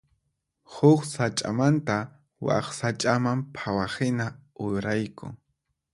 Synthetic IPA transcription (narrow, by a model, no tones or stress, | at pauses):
hʊχsat͡ʃʼa̰mant̪a | wa̰χsat͡ʃʼamampʰawahɪnaʊjɾajkʊ̰